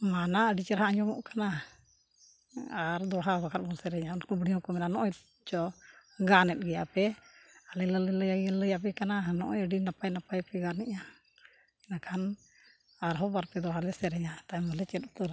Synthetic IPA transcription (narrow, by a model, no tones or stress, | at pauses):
manaəɖit͡ʃɛɾɦaɲɔmɔ̰ʔkana | aɾd̪ɔɦabakʰat̪̚bɔlsɛɾɛɲaunkubɽijɔ̃kɔmɛnanɔʔɔj | d͡ʒɔɡanɛt̪̚ɡɛja̰ʔpɛalɛlələləjaɡələjap̬ɛkananɔ̰ʔɔjəɖinapajnapajpɛɡaɾnɛʔa | ɛnakʰan | aɾɦɔbaɾpɛd̪ɔɦalɛsɛɾɛɲat̪ajməlɛt͡ʃɛt̪̚t̪ɔɾa